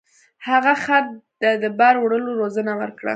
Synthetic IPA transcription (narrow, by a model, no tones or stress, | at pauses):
haɣaxat̪d̪ad̪əbaɾwɽəloɾozənawə̰ɾkɽa̰